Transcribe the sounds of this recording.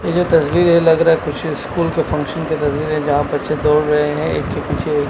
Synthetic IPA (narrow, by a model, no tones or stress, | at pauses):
jed͡ʒot̪ɐsʋiːɾɦɛlɐɡɾaɦɛkʊt͡ʃʰskuːlkefɐ̃ŋkʃənket̪ɐsʋiːɾɦɛ̃d͡ʒɐɦãbɐtːʃed̪oːɽɾɐɦeɦɛ̃ḛːkːepiːt͡ʃʰeː